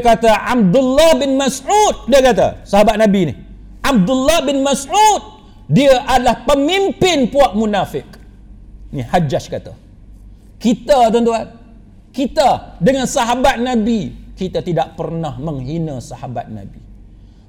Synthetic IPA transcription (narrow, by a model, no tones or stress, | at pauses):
kat̪aʔab̚d̪ulːahbɪnmasut̪̚diəkat̪a̰saɦabat̪̚nãbinɪ̰h | ʔab̚d̪ulːahbɪnmasut̪̚ | diəʔadalahpəmimpɪnpuaʔ̚munafɪk | nihad͡ʒaʃkat̪a̰ | kit̪ət̪ənt̪uan | kit̪ədəŋansaɦabat̪̚nãbikit̪at̪idaʔ̚pərnahməŋɦinəsahaba̰t̪̚na̰bi